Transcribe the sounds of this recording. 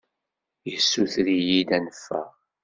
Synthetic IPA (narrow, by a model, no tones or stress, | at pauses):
jəsːuθɾijid̪ænəfːæ̰